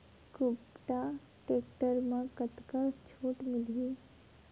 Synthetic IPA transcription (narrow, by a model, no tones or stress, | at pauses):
kʊpʈa | ʈeːkʈəɾmãkət̪kat͡ʃʰoːʈmɪli